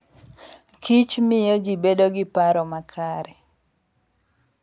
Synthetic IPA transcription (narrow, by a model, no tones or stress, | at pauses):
kit͡ʃmɪjɔd͡ʒibedoɡɪpaɾɔmakʰaɾɛ